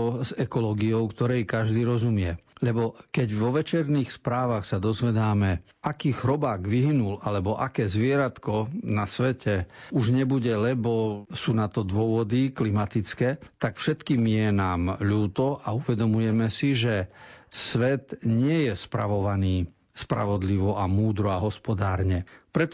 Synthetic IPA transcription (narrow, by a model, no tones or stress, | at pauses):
zɛkɔlɔːɡiɔʊkt̪ɔɾɛjkaʒd̪iːɾɔzumɪɛlɛbɔkɛɟʋɔʋɛt͡ʃɛɾniːxspɾaːʋaxsad̪ɔzʋɛd̪aːmɛ | akiːxɾɔbaːɡʋiɦinulalɛbɔʔakɛːzʋɪɛɾat̪kɔnasʋɛcɛuʒɲɛbuɟɛlɛbɔsuːnat̪ɔd̪ʊɔʋɔd̪iklimat̪it͡skɛːt̪akfʃɛt̪kiːmjɛnaːmʎuːt̪ɔʔauʋɛd̪ɔmujɛmɛsiʒɛsʋɛt̪ɲɪɛjɛspɾa̰ʋɔʋaniː | spɾa̰ʋɔd̪liʋɔʔamuːd̪ɾɔaɦɔspɔd̪aːɾɲɛpɾɛt̪